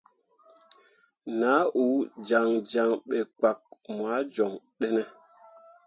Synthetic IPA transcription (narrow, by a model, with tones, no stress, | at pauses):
naː˨˦ʔu˨˦d͡ʒa˨ŋd͡ʒa˨ŋɓɛ˨k͡pa˨k̚mwa˨˦d͡ʒɔ˨ŋ | ɗɛ˦nɛ˦